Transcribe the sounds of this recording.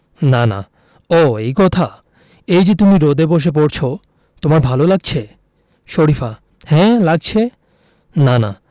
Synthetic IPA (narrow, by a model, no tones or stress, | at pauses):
nana̰ | ɔejkɔt̪ʰa | ejd͡ʑet̪umiɾod̪eboʃ̬ep̬oɾt͡ɕʰo | t̪omaɾbʱalolaɡ̚t͡ɕʰe | ʃoɾifa | hɛ̃laɡ̚t͡ɕʰe | nana̰